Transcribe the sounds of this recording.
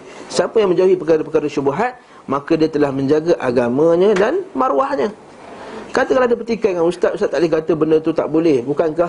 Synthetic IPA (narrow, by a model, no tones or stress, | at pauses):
sapəjaŋmə̃ɲd͡ʒauɦipəkaɾapərkaɾaʃubaɦat̪̚ | mãkadiat̪əlahmə̃ɲd͡ʒaɡaʔaɡamãɲə̃danmaɾuwahɲə̃ | kat̪akalaadapərt̪ikajəŋanust̪at̪ust̪at̪ːaʔlɪɡat̪əbənət̪ut̪a̰ʔbolɛhbukankah